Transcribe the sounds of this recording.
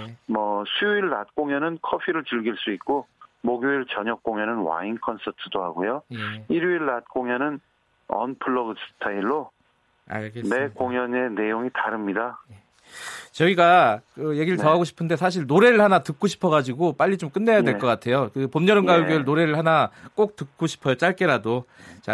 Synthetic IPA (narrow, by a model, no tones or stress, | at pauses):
mʌsʰuiɭːa̰t̚k͈oŋjʌnɯnkʰʌpʰiɾɯɭt͡ɕɯɭɡiɭs͈uik̚k͈omoɡjoiɭt͡ɕʌɲʌk̚k͈oŋjʌnɯnwa̰inkʰʌnsʰʌtʰɯdoɦaɡojojeiɾuiɭːat̚k͈oŋjʌnɯn | ʌ̰npʰɯɭːʌɡɯs͈ʰɯ̥tʰaiɭːo | a̰kene̞koŋjʌne̞ne̞joŋitaɾɯmɲidaje | t͡ɕʌiɡakɯje̞ɡiɾɯɭtʌɦaɡoɕʰi̥pʰɯnde̞s̬ʰaɕ̬ʰiɭnoɾe̞ɾɯɭhanatɯk͈̚oɕʰi̥pʰʌɣad͡ʑiɡop͈aʎːit͡ɕomk͈ɯnːe̞jadwekʌk͈atʰe̞jokɯpomɲʌɾɯmɡauɭɡjoɯɭnoɾe̞ɾɯɭhanak͈ok̚t͈ɯk̚k͈oɕʰi̥pʰʌjot͡ɕ͈aɭk͈e̞ɾadot͡ɕa